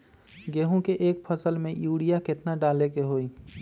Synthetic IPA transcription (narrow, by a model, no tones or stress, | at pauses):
ɡeːɦũkeʔeːkpʰəsəlmẽjuːɽijakɪt̪naɖaːlekeɦoːi